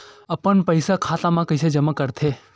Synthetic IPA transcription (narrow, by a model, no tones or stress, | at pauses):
əpəɳpəjsakʰat̪amãkəjsʰed͡ʒəmãkəɾt̪ʰe